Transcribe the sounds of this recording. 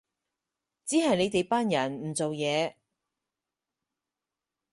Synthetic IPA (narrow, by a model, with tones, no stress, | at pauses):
t͡siː˨˥ɦɐ˨jne˨˧jt̪e˨˧jpaː˥njɐ˨˩nm̩˨˩t͡so˨wjɛː˨˧